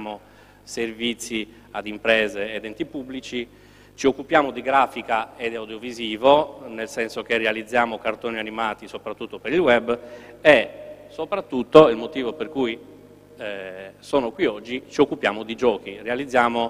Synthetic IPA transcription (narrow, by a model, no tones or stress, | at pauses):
mo | servit̪sːi | ad̪impɾɛːzeːd̪ɛnt̪ipubːlit͡ʃi | t͡ʃiokːupjaːmod̪iɡɾaːfikaed̪awd̪joviziːvonelsɛnsok̟erealid̪zːjaːmokart̪oːnianimaːt̪isopɾat̪ːut̪ːopeɾilwɛbesopɾat̪ːut̪ːoilmot̪iːvoperkuj | soːnokwiɔd͡ʒːit͡ʃiokːupjaːmod̪id͡ʒɔːk̟irealid̪zːjaːmo